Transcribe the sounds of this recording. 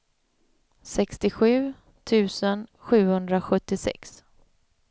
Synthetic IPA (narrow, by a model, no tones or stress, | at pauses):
sɛkst̪ɪɧʉ̟ː | t̪ʰʉ̟ːsənɧʉ̟ːhɵnd̪ɾaɧɵt̪ːɪsɛ̰ks